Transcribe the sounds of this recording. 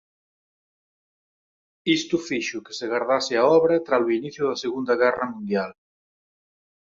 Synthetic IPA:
ist̪ufiʃʊke̥seɣaɾðaseaɔβɾet̪ɾaluiniθjuðɐseɣund̪ɐɣɛrɐmũnd̪jal

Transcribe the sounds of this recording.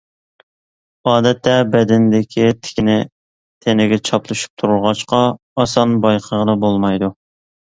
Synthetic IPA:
ɑːd̪ɛt̪ʰːɛbɛd̪ɪnd̪ɪkʲʰit̪ʰɪ̥kʲinɪ | t̪ʰenɪɡʲɛt͡ʃʰɑplˠɨʃu̥p̚t̪ʰuɾulˠʁɑʃqɑ | ɑsɑnbɑjqʰəʁəd̪ɑbolˠmɑjd̪u

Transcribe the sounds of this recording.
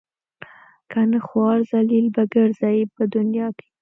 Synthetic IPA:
kanəxwɑɾzalilbaɡəɾzɑjipəd̪ʊnjɑke̥

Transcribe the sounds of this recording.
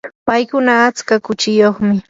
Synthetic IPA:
pajkʊnaːt͡skakʊt͡ʃɪjoχmɪ

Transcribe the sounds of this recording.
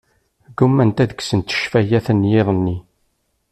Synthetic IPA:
ɡumːænt̪æðəksənt̪ə̥ʃfæjæθənjɪðˤənːi

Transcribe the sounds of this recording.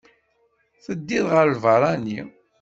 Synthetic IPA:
θəd̪ːiðʁəɾlvəɾˤɑni

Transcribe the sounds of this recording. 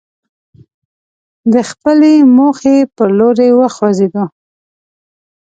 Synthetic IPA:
d̪əxpəlemoxepəɾloɾewəxwazed̪o

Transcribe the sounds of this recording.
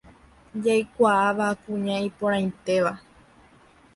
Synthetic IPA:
d͡ʒajkʷaaʋakũɲãipõɾ̃ãj̃t̪e̞ʋa

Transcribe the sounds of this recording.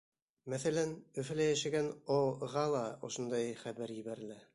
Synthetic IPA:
mæθælænɵ̆fɘ̆læjæʃɘɡænowʁɑlˠɑŏʃŏnd̪ɑjχæβæɾjɘ̆βæɾɘ̆læ

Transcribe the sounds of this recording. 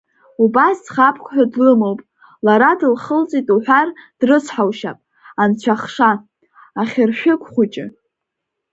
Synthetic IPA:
ubasd͡zχapʰkʷʰħʷᶣadlɨmowpʼ | laɾadɨlχəlt͡sʼitʼuħʷᶣard̥rɨsʰħawʃapʼ | ant͡ɕʷʰaχʂa | aχʲɪrʃᶣɪkʷʰʼχʷʊt͡ʃʼɪ̰

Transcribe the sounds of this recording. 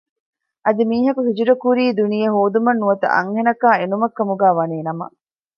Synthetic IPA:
ʔɐd̪imiːɦɐkuɦid͡ʒuɾɐkuɾiːd̪unijɐɦoːd̪umɐnːuʋɐt̪ɐ̰ʔɐ̰ŋhenɐkaːenumɐkːɐmuɡæːʋɐneːnɐmɐ̰

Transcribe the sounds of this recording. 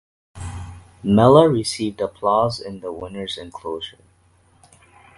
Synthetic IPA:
mɛlˠəɹisivdəpʰl̥ɔzɪ̃nðəwɪ̃nə˞zɨ̃nkʰl̥oʊʒə˞

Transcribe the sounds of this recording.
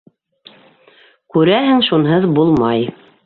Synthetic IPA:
kʉɾæɦɘŋʃunɦɤðbulˠmɑj

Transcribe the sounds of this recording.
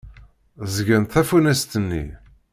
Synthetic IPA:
zʝənt̪θæfunæst̪ənːḭ

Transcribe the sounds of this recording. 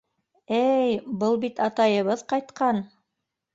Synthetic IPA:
æjbɤlˠbit̪ɑt̪ɑjɤ̆βɤðqɑjt̪qɑn

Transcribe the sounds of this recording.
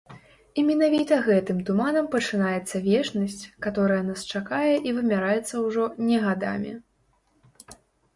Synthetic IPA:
imʲɛn̪avʲit̪ɐɣɛt̪ɨmt̪umanɐmpɐt͡ʂɨnajɛt̪sːɐvʲɛt͡ʂnɐsʲt͡sʲkat̪ɔɾɐjɐnast͡ʂakajɛʔivɨmʲaɾajɛt̪sːɐwʐɔnʲɛɣad̪a̰mʲḭ

